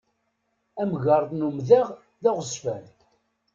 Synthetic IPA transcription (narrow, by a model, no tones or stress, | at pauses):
æmɣɑɾˤðˤnumðæʁ | ðæʁəsfæɾ